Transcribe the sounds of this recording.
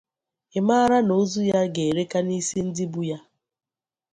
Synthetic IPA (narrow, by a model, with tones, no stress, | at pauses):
ɪ˨ma˦a˦ɾa˦no˦zu˦ja˦ɡe˨ɾe˦ka˦ni˦si˦n̩˦dɪ˦bu˦ja˦